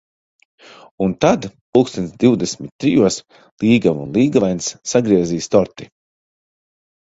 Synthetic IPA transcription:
unt̪ad̪pukst̪ʲɛnʲt̪d̪iwd̪esmit̪̚ʲːɾijuɔs | lˠiːɡamunlˠiːɡavajnsːaɡɾiɛziːst̪ɔɾt̪i̥

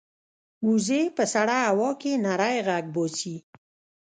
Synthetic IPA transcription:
ɡuzepəsaɽaːwɑkenaɾajɣaɡ̚bosi

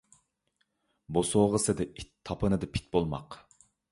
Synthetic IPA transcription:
bosoːʁəsɨd̪ɨit̪ʰːɑpʰɨnɨd̪ɨpʰi̥t̪̚bolˠmɑ̰q

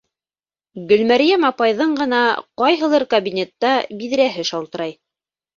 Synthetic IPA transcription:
ɡɵ̆lmæɾijæmɑpɑjðɤɴɢɤ̆nɑqɑjɦɤ̆lˠɤɾkɐbʲinʲet̪ːɑbiðɾæɦɘʃɑlˠt̪ɤ̆ɾɑj

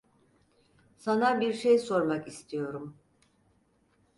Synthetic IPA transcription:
sanabiɾʃe̞jso̞ɾmakist̪ʰijo̞ɾum

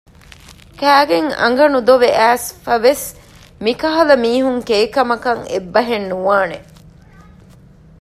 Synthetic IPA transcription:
kæːɡeŋɐ̰ŋɡɐnud̪oʋeʔæːsfɐʋes | mikɐɦɐlɐmiːɦuŋkeːkɐmɐkɐŋḛbːɐɦenːuʋaːne

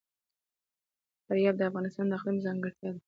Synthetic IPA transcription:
faɾjɑb̪̚d̪əafɣɑnɪst̪ɑnd̪əaqwimzɑŋɡəɽt̪jɑd̪

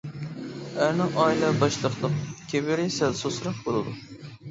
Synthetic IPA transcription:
æɾnɨŋɑjlˠɑɾbɑʃlˠəqlˠəqkʲʰebɪɾɪsælsosɾɑqbolˠɨd̪u

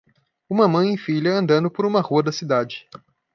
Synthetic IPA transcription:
ũmɐmɐ̃j̃ejfiʎɐɐ̃nd̪ɐ̃nd̪ʊpoɾũmɐhuɐd̪ɐsid̪ad͡ʒɪ

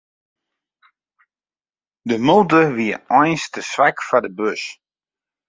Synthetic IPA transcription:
dəmulˠtəʋiəɔjnstəsʋɛkfadəbøs

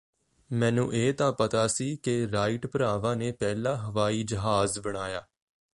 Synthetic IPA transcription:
mɛ̃ːnũːʔeːt̪ãːpət̪aːsiːkeɾaːɪʈpəɾaːʋãːneːpɛːlãːɦəʋaːiːd͡ʒəɦaːzbəɽ̃aːjaː

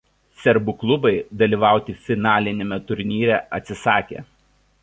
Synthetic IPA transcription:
sʲɛɾbʊklˠʊbɐɪd̪ɐlʲiːˑʋɑˑʊt̪ʲɪfʲɪnɑːlʲɪnʲemʲɛt̪ʊɾʲnʲiːɾʲɛʔɐt̪ʲsʲɪsɑːkʲḛː

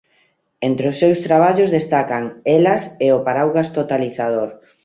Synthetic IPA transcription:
ent̪ɾeʊsːewst̪ɾaβ̞aʎozðest̪akaŋelaseopaɾawɣast̪ot̪aliθaðoɾ

